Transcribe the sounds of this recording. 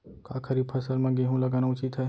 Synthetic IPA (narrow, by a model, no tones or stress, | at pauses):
kakʰəɾib̚pʰɐsəlmẽɡeɦũlɐɡaːnaʊt͡ʃɪt̪ɦɛː